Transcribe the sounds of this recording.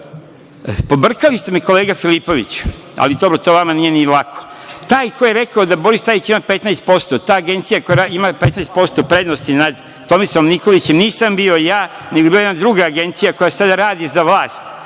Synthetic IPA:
po̞br̩kalist̪e̞meko̞leːɡafilipo̞ʋḭt͡ɕu̥ | a̰lid̪o̞bɾot̪oʋamanije̞nilˠakʰo | t̪aːjkojeɾe̞kaod̪abo̞ɾist̪ait͡ɕimapet̪najst̪̚po̞st̪ot̪aːɡe̞nt̪sijakojaimapet̪najst̪po̞st̪o̞pɾe̞d̪nost̪inad̪ | t̪o̞misomnikolit͡ɕemniːsambio̞jaː | neɡobilajed̪nad̪ɾuɡaːɡe̞nt̪sijako̞jasad̪aɾaːd̪izaʋlˠaːst̪

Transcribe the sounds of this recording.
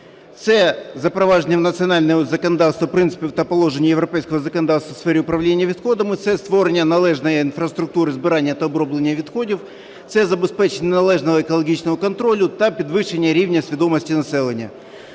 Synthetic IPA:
t̪sɛzɐpɾɐvaʐənʲəmnət̪sɨɐnalʲnəjəzəkənɐd̪at̪st̪vəpɾʲɨnt̪ɨ̥pʲɪvt̪ɐpɐlˠoʐɨnʲɪjjɪvɾɐpʲɛjskəvəzəkənɐd̪at̪st̪əfsfʲɛɾʲɪʊpɾɐvlʲenʲɪjəvʲɪt̪xod̪əmɨt̪sɛst̪voɾʲnʲənɐlˠɛʐnəjəɪnfrəst̪ɾʊk̚t̪uɾɨzbɨɾanʲɪjəɐt̪ɐbɾoblʲɪnʲɪjəvʲɪt̪xodʲɪf | t̪sɛzɐbɪspɛt͡ɕɪnʲnɐlˠɛʐnəvəɪkɐlˠɐɡʲit͡ɕnəmʊkɐnt̪ɾolʲʊt̪ɐpʲɾʲɪd̪vɨʂɨnʲɪjəɾʲivnʲɪjəsʲvʲɪd̪o̞məsʲtʲɪnɐsɛlʲˠɪnʲɪjə

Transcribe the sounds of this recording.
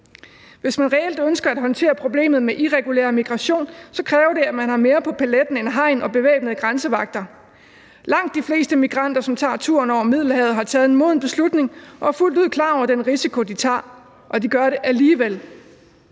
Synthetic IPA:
ʋe̝smænʁɛel̰d̥ønsɡ̥ɐæd̥ɦɒ̽nt͡sʰe̝̰ːɐpʰʁo̝b̥le̝̰ːmð̩ˠmeʔiʁɛɡ̥ulḛɐmiɡ̥ʁɑ̈ɕo̝̰ːnsɒ̽kʰʁɛːʊɐɾe̝æmænɦɑ̈me̝ːɐpʰɒ̽pʰæled̥n̩enɦɑ̈ɪ̰nɒ̽b̥e̝ʋḛːb̥nəð̩ˠɡ̥ʁɑnsəʋɑ̈ɡ̥̚d̥ɐ | lɑ̈ŋ̰d̥ːifle̝̰ːsd̥əmiɡ̥ʁɑ̈n̰d̥ɐsɒ̽mt͡sʰɑ̰̈ːt͡sʰṵɐnɒʊ̰ɐmið̞̰ˠl̩ɦɛʊð̩ˠɦɑ̈t͡sʰɛːð̞̩ˠenmo̝ðˠn̩b̥e̝slud̥ne̝ŋɒ̽hɑ̈ful̰d̥uð̰ˠkʰlɑ̈ːɒʊɐd̥enʁisikʰo̝d̥it͡sʰɑ̰̈ː | ʔɒ̽diɡ̥ɶɐɾe̝ʔæliːʋel̰

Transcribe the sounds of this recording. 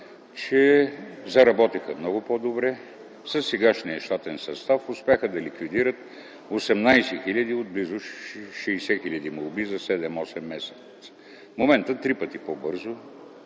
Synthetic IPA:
t͡ʃɛzɐɾɐbɔt̪ixəmnɔɡʊpod̪obɾɛ | sɐsːɛɡaʃniɐʃt̪at̪ɛnsɐst̪afʊspʲɛxəd̪ɐlikvid̪iɾət̪̚ | osɛmnajsɛxilʲɐd̪iod̪̚blizʊʃɛjsɛxilʲɐd̪imolˠbizɐsɛd̪ɛmɔsɛmːɛsɛt̪ | momɛnt̪ət̪ɾipət̪ipobɤɾzʊ

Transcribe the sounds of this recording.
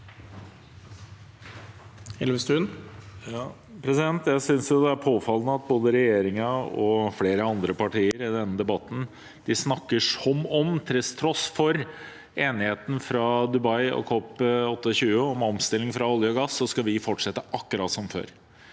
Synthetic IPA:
ɛlməst̪ʉːnjɑ | pʰɾɛsɪd̪ɛnt̪jæɪsʏnsjʊd̪ɛæɾpʰoːfɑlnəɑt̪̚boːd̪əɾɛjeːɾɪŋɑɔfleːɾəɑnd̪ɾəpɑʈiːəɾɪd̪ɛnːəd̪ɛbɑt̪ːn̩ | d̪̥ɪsnɑkːəʂɔmɔmt̪ʰɪlst̪ʰɾɔsfɔɾ | eːnɪheːt̪ən̩fɾɑd̪ʉbɑɪɔ̰kʰɔpːɔt̪ːəɔɕʉːəɔmɔmst̪ɪlːɪŋfɾɑɑljəɔɡɑsːɔskɑʋɪfɔʈʂɛt̪ːəʔɑkːʉɾɑ̰ːt̪sɔmfø̰ːɾ

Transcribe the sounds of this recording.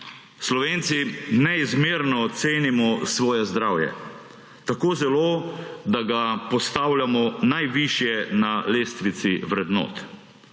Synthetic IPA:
slɔʋeːnt̪sinɛizmeːɾnɔt̪seːnimɔsʋɔːjɛzd̪ɾaːwjɛ̰ | t̪akoːzɛloːd̪aɡapɔst̪aːwljamɔnajʋiʃjɛnaleːst̪ʋit̪siʋɾɛd̪nɔ̰ːt̪

